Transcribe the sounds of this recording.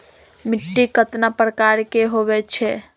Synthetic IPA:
miʈːikət̪napɾəkaɾkeɦoβɛt͡ʃʰɛ

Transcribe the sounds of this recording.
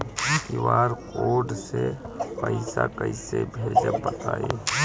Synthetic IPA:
kiʋaːɾkoːɖsepəɪsakəɪsebʱeːd͡ʒebət̪aːe

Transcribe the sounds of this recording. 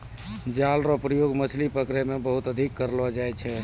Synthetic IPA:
d͡ʒalɾɔpɾəjoɡmət͡ʃʰlipəkɾemebəɦut̪əd̪ʱikːəɾlɔd͡ʒajt͡ʃʰɛ

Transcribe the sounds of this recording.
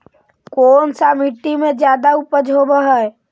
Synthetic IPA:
koːnsamiʈːimẽd͡ʒjaːd̪aupəd͡ʒʱɦobəɦɛɛ

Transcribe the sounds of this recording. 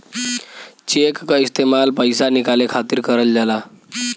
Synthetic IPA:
t͡ɕekːist̪emalpəjsanikalekʰat̪iːɾkəɾəld͡ʑala

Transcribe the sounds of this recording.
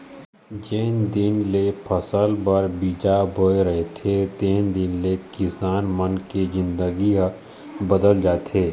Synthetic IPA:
d͡ʒeːnd̪ɪnlepʰəsəlbɐɾbiːd͡ʒabʱoeɾɐɦet̪ʰet̪eːnd̪ɪnlekɪsaːnmənkezɪ̃nd̪əɡi | bəd̪əld͡ʒaːt̪ʰeː

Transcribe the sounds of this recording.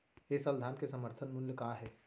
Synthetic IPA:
eːsəld̪ʱaːnkesɐməɾt̪ʰənmʊnljəkaːɦɛː

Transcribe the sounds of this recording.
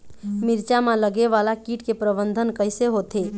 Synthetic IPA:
miɾt͡ʃamãləɡeʋalakiʈkepɾəbənd̪ʱənkəɪseɦot̪e

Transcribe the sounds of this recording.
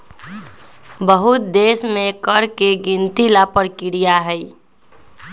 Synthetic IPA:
bəɦut̪̚d̪esmẽkəɾkeɡint̪ilapəɾkiɾijaɦəi

